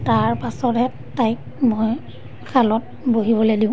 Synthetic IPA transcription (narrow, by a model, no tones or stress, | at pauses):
taɹpasɔtɛ | tajk | mɔj | kʰalɔt̚boɦibɔlejdĩʊ̃